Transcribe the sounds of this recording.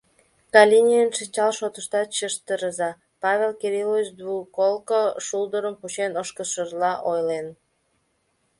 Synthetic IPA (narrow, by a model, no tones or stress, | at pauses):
kɑlʲinʲijənʃinʲt͡ɕɑlʃot̪əʃt̪ɑt̪̚t͡ɕəʃt̪əɾəzɑ | pɑβʲelkeɾilovit͡ɕd̪βukolkoʃuld̪əɾəmput͡ɕenəʃkəʃərlɑʔojlen